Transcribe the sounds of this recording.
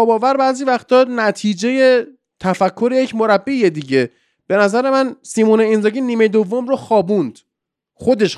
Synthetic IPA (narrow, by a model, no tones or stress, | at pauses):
ɒːbɒːvæɾbæːziːvæxt̪ɒːd̪næt̪ʰiːd͡ʒe̞je̞ | t̪ʰæfækʰːo̞ɾejecʰmo̞ɾæbːijed̪iɟe̞ | b̥e̞næzæɾe̞mænsiːmuːneinzɒːɡiːnːiːmejd̪ovːo̞mɾoxɒːbund̪̥ | xo̞d̪e̞ʃ